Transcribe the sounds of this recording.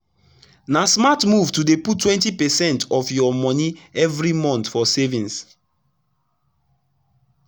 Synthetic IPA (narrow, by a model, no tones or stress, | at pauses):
nasmatmuvtudeputːwɛ̃ntipɛsɛ̃ntɔfjɔmɔ̃niɛvɹimɔ̃ntfɔsevĩns